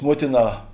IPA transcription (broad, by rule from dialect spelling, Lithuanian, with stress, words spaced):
ˈmuɔtʲɪˌnɑː